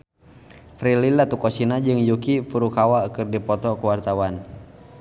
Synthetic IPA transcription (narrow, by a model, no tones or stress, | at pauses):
t̪ɾililat̪ukɔsinad͡ʒɨŋjukifuɾukawaukɨrdipɔt̪ɔkuwart̪awan